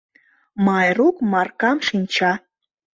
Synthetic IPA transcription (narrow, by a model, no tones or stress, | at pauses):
mɑjrukmɑrkɑmʃinʲt͡ɕɑ